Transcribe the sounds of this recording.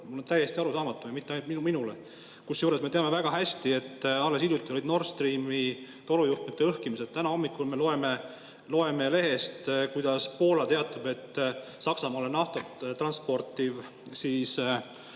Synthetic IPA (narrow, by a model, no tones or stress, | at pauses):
mulːo̞nt̪æje̞st̪iɑɾusɑːmɑt̪ːˑuvɨjmit̪ːeɑjnut̪miminule | kusjuːɾe̞smeeɑme̞væɡ̥ɑɦæsʲt̪ie̞t̪ːˑɑlːe̞siljut̪ːˑio̞lid̪no̞rst̪riːmi | t̪o̞lujuht̪met̪ːˑeɤhkimiset̪̚t̪ænɑho̞mːikːˑulme̞lo̞e̞me | lo̞e̞me̞le̞ɦe̞st̪kujd̪̥ɑspo̞ːlɑt̪e̞ɑt̪ːˑɑbe̞t̪ːˑsɑksɑmɑːlenɑht̪ot̪t̪rɑnspo̞rt̪ːiv | siːs